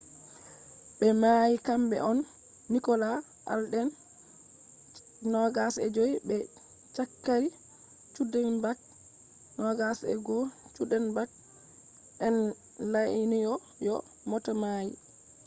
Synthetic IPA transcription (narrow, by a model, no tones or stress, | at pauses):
ɓɛmajikambɛ̰ʔɔnː | ikɔla | ʔa̰lɗɛn | nɔɡasɛd͡ʒojbɛ | t͡ʃakːaɾi | t͡ʃudɛnbak̚ | nɔɡasɛ̰ɡɔt͡ʃudɛnbak̚ | ɛn | laʔinijɔ | jɔ̰ | mɔtamaji